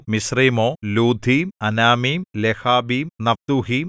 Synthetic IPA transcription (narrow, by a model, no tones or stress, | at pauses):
misriːmoːluːd̪ʱiːmɐnaːmiːmlehaːbiːmnɐft̪uhiːm